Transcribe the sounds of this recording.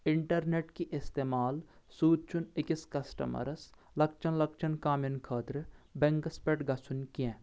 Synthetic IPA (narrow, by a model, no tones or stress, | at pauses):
ɪɳʈɐɾneʈkiʔɪst̪eːmaːl | suːd̪̚t͡ʃʰunɪkiskɐsʈɐ̰mɐ̰ɾɐs | lɐkt͡ʃʰɐnlɐk̚t͡ʃʰɐnkaːmjɐnkʰɐːt̪ɾɨbeŋkɐspeʈɡɐsunʲkiẽ